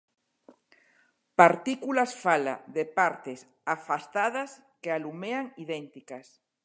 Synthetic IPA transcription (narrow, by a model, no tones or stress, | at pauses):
paɾt̪ikulasfala̰ðepaɾt̪es | afast̪aðas | kealumeaŋiðɛnt̪ikas